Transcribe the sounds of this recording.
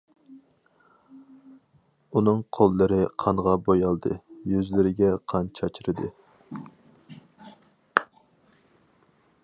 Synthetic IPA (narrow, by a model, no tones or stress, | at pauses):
unɨŋqʰolˠːɨɾɨqʰɑnʁɑbojɑlˠd̪ɨjøzlɪɾɪɡʲɛqʰɑnt͡ʃʰɑt͡ʃʰiɾɨd̪ɨ